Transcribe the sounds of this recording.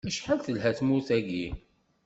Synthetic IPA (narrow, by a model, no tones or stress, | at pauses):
məʃħalθəlɦæθmuθæɡi